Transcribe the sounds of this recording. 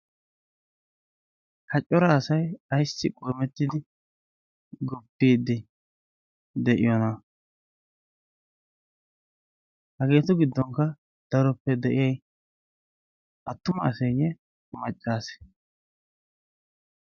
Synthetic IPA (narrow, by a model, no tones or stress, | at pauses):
kʰɐt͡ʃʼːɔɾaːsɐjɐjsːɪkʼoːmɛt̪ːɪd̪ɪ | ɡɔbːiːd̪ːɪ | d̪ɛʔɪ̰jɔnɐ | hɐɡe̞ːt̪ɔɡɪd̪ːɔŋkːɐ | d̪̥ɐɾɔpːɛd̪ɛʔɪjɛj | ʔɐt̪ːʊmɐːsɛjɛ | mɐt͡ʃʼːaːsɛ̥